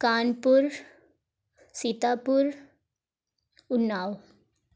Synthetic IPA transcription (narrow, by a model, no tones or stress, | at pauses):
kaːnpuɾ | sit̪apuɾ | unːaːw